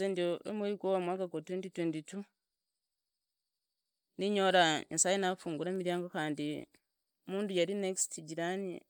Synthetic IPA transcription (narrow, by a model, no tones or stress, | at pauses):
eːndioḛmweiɡwowamwakaɡotenditwenditu | niɲoɾaḭnsajinafuːŋɡuɾeːmiɾjaːŋɡokaːndi | muːndujaɾinekstʰiɟiɾanḛ